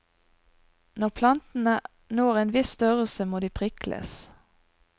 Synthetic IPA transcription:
nɔʁpʰlɑnt̪n̩ə | noːʁeːnʋɪsst̪œʁəl̩səmoːd̪iːpʰʁɪkʰlʔə̰s

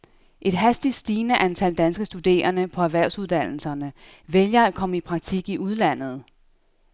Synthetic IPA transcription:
ʔe̝d̥ɦæsd̥id̥sd̥iːnəʔænt͡sʰæld̥ænsɡ̥əsd̥ud̥e̝̰ːɐnəpʰɒ̽æʋæɐ̰ʊ̰suð̞ˠd̥æn̰l̩sɐnə | ʋeljɐæ̥kʰɒ̽məipʰʁɑ̈ɡ̥̚t͡sʰiɡ̥iʔuð̞ˠlæn̰ð̞̩ˠ

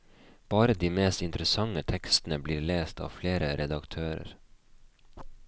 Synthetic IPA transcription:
b̥ɑːɾəd̪iːmeːst̪ɪnt̪ɾəsɑŋət̪ʰɛkst̪n̩əbliːɾleːst̪ʰɑ̰ːfleːɾəɾɛd̪ɑkt̪ʰøːɾə̰ɾ

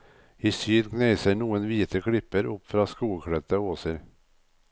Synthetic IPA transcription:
ɪsyːd̪ɡnɛɪsəɳuːənʋiːt̪ʰəkʰɽɪpːəɾʊpːfɾɑskuːkʰɽœt̪ːəoːsəɾ

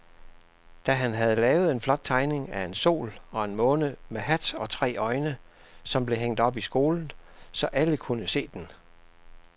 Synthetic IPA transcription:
d̥æɦænɦæð̞ˠəlɛːʊð̩ˠe̝nflɒ̽d̥̚t͡sʰɑ̈ɪne̝ŋæe̝nso̝̰ːlɒ̽e̝nmɔ̽ːnəmeɦæd̥ɒ̽t͡sʰʁɛ̰ːɒ̽ɪnə | sɒ̽mb̥le̝ɦeŋ̰d̥ɒ̽b̥isɡ̥o̝ːln̩sɒ̽ʔæləkʰunəse̝̰ːd̥en

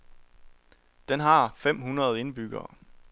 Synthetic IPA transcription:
d̥enɦɑ̈fem̰ɦunʁɐð̞̩ˠe̝nb̥yɡ̥ɐː

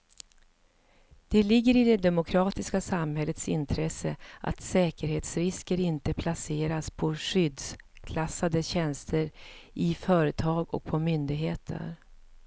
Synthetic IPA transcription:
d̪̥ɛlɪɡːəɾɪd̪ɛd̪ɛmʊkʰɾɑːt̪ɪskasamɦɛlːət̪sɪ̰nt̪ʰɾɛsəʔa̰t̪sɛːkəɾheːt̪sɾɪskəɾɪnt̪əpʰlaseːɾaspʰɔʂʏd̪s | kʰlasːad̪əɕɛnst̪ʰəɾʔɪfœːɾət̪ʰɑːɡɔ̰k̚pʰɔmʏnd̪ɪɡɦeːt̪ʰə̰ɾ

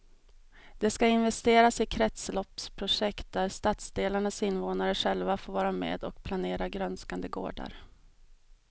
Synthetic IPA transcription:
d̪ɛskaɪnvɛst̪eːɾasɪkʰɾɛt̪slɔpspʰɾʊʂɛkt̪̚d̪æɾst̪at̪sd̪eːlaɳasɪnːvoːnaɾəɧɛlvafoːɾvɑːɾamḛːd̪ɔkpʰlaneːɾaɡɾœnskand̪əɡo̰ːɖa̰ɾ

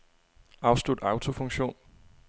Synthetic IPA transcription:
ɑ̈ʊsd̥ud̥ɑ̈ʊt͡sʰo̝fɔ̽ŋɕo̝̰ːn

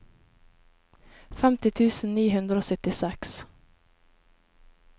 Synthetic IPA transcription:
fɛmt̪ɪt̪ʰʉːsn̩niːhʉnd̪ɾoːsœt̪ɪsɛks

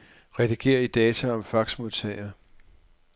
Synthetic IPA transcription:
ʁɛd̥iɡ̥e̝̰ːɐid̥ɛːt͡sʰæɒ̽mfɑ̈ɡ̥smo̝ðˠt͡sʰɛ̰ɪɐ

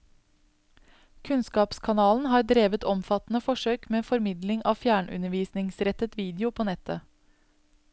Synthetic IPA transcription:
kʰʉnskɑːpskʰɑnɑːln̩ɦɑːɾd̪ɾeːʋət̪ɔmfɑt̪n̩əfɔʂøːkmeːfɔɾmɪd̪lɪŋʔɑ̰ːʋfjæːɳʔʉ̰nəɾʋiːsnɪŋsɾɛt̪ət̪ʋiːd̪ɪʊpʰoːnɛt̪ʰə

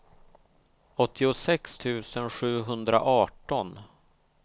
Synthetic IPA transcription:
ɔt̪ʰːɪʊsɛkst̪ʰʉ̟ːsənɧʉ̟ːɦɵnd̪ɾa̰ʔɑːʈɔn

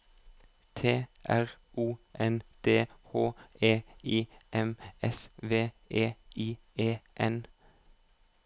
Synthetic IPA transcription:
t̪ʰeːʔæʁ | ʔuːʔɛnd̪̥eːhoːeːiːʔɛmɛsʋeː | ʔeːiː | eːʔɛn

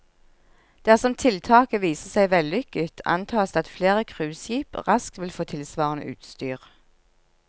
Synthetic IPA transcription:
d̪̥æʁsɔmt̪ʰɪlt̪ʰɑːkəʋiːsəsæɪʋɛlʏkət̪ʰɑ̰nt̪ʰɑːsd̪ɑt̪fleːʁəkʰʁʉːsjiːpʁɑskt̪ʋɪlfoːt̪ʰɪlsʋɑːʁənə̰ʔʉ̰ːt̪st̪yːʁ

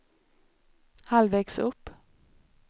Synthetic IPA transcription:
halvɛːksɵpː

